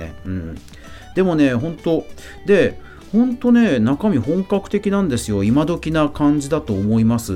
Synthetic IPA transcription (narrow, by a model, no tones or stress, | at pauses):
ḛɯ̟̃ɴ | d̪̥e̞mo̞ne̞ɦõ̞nt̪o̞ | d̪e̞ | hõ̞nt̪o̞ne̞nakamʲiɦõ̞ŋkakɯ̟̥t̪e̞kʲinãnd̪e̞sɨjo̞imad̪o̞kʲinakãɲ̟d͡ʑid̪at̪o̞ːmo̞imasɨ